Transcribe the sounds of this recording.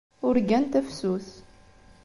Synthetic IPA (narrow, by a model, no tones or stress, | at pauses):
ʊɾɡænt̪æfsuθ